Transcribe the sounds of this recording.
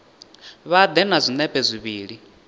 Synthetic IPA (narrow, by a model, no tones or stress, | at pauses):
βad̪ɛnazʷinɛpʼɛzʷiβiːɺi